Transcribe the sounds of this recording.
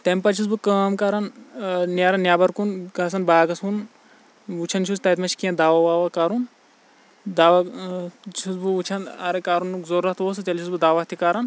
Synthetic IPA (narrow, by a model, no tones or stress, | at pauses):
t̪empɐt͡ʃʰus̬bɨkɐːmkaːɾɐnnjaːɾɐnːjaːbɐɾkunkɐs̬ɐnbaːɡɐsun | ut͡ʃʰɐnt͡ʃʰust̪ɐt̪mɐʃʰkijɐ̃nd̪aːʋaʋaːʋɐkaːɾun | d̪aːʋɐ | t͡ʃʰusbɨut͡ʃʰɐnɐ̰ɾekaːɾunːukzoɾːɐt̪ʋoːs̬ɨt͡ʃɐlt͡ʃʰusbɨd̪aːʋɐt̪ʰikaːɾɐn